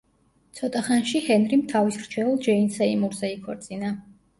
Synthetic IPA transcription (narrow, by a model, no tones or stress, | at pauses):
t̪sʰɔt̪ʼaχanʃihɛnɾimt̪ʰavisɾt͡ʃʰɛlˠd͡ʒɛinsɛimuɾzɛikʰɔɾt̪sʼina